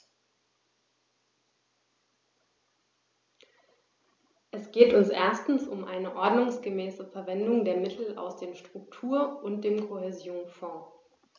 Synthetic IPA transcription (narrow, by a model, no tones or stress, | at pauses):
ʔɛsɡ̥eːtʊnsʔḛːɐstn̩sʊmʔaɪnəʔɔɐdnʊŋsɡ̥əmɛːsəfɛɐvɛndʊŋdeːɐmɪtʰl̩a̰ʊsd̥eːmʃtʁ̥ʊktʰuːɐʔʊnt̚d̥eːmkʰohɛzjoːnfɔ̃ː